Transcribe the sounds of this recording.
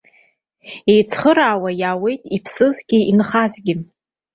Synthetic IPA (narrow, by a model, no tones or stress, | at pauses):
ejt͡sʰχəɾaːwajaːwe̞jtʼipʰsɨzɡʲiinχazɡʲɪ